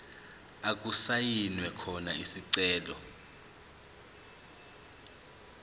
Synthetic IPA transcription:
ak̬ʼusajinwɛkʰɔnaisiǀɛːlɔ

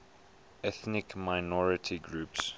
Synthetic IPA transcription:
ɛθnɪkmaɪnɔɹɪtʰiɡɹuːps

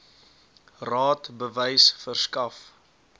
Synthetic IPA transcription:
rɑːtbəvəjsfərskɐf

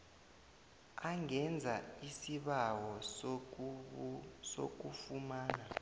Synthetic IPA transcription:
aŋɛnd͡zʱaisiɓawɔ | so̰k̬ufumaːna

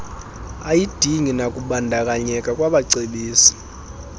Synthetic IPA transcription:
ajid̥ʱiŋinakʼuɓandʱakʼaɲɛkʼakʼwaɓaǀeɓiːsi̥

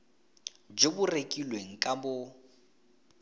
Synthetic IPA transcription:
d͡ʒebʊrekʼilweŋ̩kʼambʊ

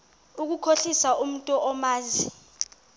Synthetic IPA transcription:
uk̬ukʰoɬisaʔum̩tʼɔʔɔmaːzi

